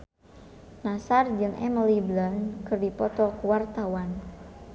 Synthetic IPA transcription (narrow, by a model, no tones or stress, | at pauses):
nasard͡ʒɨŋɛ̰mliblankɨrdipɔt̪ɔkuwart̪awan